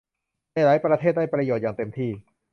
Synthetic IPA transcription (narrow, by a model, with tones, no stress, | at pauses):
a˥˩jɾaː˦˥jpɾa˧t̪ʰeː˥˩da˥˩jpɾa˧joː˨˩jaː˨˩ŋt̪e˧mt̪ʰiː˥˩